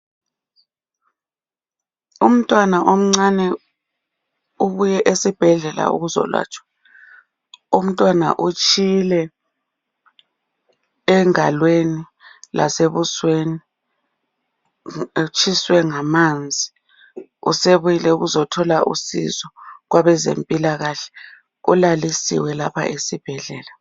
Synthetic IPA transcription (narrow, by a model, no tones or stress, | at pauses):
um̩tʼwanaʔom̩ŋ͡ǀanɛ | uβujɛʔesib̥ʱɛɮɛla̰ṵɣuzɔ̰lwa̰ːt͡ʃʰʼwḁ | um̩tʼwana̰ʔut͡ʃʼilɛ | ŋalweni | la̰seβusweni | t͡ʃʰʼiswɛŋamand͡zʱi | ṵseβujilɛuɣuzɔtʰɔlaʔṵsḭzɔɣwaβɛzḛmpʼilaɣaɬɛ̥ | ṵlalisḭwɛlapʰa̰ʔesib̥ʱɛɮɛːla